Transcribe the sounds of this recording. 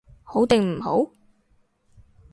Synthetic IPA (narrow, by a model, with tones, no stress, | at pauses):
ho˨˥wt̪ɪ˨ŋm̩˨˩ho̰˨˥w